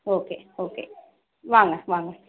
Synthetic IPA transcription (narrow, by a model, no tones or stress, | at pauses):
oːkeːoːkḛː | ʋaŋaʋaːŋa